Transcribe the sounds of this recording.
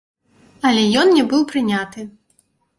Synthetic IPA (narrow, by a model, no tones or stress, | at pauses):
ɐlʲɛjɔnnʲɛbɨwpɾɨnʲat̪ɨ